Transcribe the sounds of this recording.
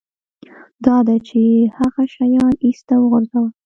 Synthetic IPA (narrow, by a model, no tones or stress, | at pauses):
d̪ɑd̪at͡ʃehaɣaʃajɑnist̪awəɣʊɾzaw